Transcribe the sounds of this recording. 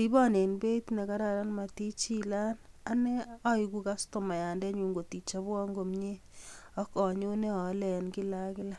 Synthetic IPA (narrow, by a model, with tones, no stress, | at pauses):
i˦bɔ˦ne˨nbe˦tne˨ka˦ɾa˨ɾa˦nma˨ti˦t͡ʃi˦la˦na˦ne˦ɔ˦iku˦ka˦sto˨ma˨ja˨ndɛ˦ɲu˨ŋɡo˨ti˨t͡ʃa˦bwɔ˦ŋɡo˨mɲe˦ | ɔ˦kɔ˨ɲo˦ne˦ɔ˨˦lɛ˨nkɪ˦la˦kɪ˦la˦